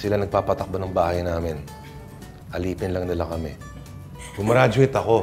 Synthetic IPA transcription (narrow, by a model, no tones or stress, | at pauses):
sɪlanɐɡ̚paːpɐt̪ɐk̚banɐŋbaːhɐjnaːmɪn | hɐliːpɪnlɐŋnɪlakɐmɛ | bʊmɐɾaːd͡ʒoʔɪt̪ɐko̞